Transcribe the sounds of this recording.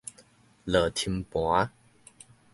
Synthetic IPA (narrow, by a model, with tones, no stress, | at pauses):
lə˨˩t̪ʰi˧mpwa˨˦